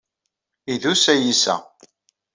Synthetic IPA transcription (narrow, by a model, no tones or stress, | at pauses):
iðusæjisæ̰